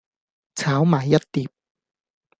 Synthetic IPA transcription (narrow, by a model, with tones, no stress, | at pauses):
t͡ɕʰaː˨˥wmaː˨˦jːa˦˥t̪t̪iː˨˩p̚